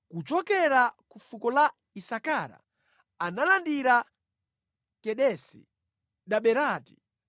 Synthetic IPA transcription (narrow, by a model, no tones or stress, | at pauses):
kut͡ʃɔkɛɾakufukɔla | isakaɾa̰ | analandiɾa | kɛɗɛsḭ | ɗaɓɛɾaːti̥